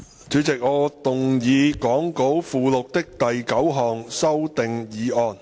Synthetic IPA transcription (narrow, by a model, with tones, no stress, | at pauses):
t͡sʰyː˨˥t͡sɪ˨k̚ŋɔː˨˧t̪ʊ˨ŋjiː˨˧kɔː˨˥ŋko˨˥wfuː˨˧lʊ˨k̚t̪ɪ˥k̚t̪ɐ˨jkɐ˨˥wɦɔː˨ŋsɐ˥wt̪ɪ˨ŋjiː˨˥ɔː˧n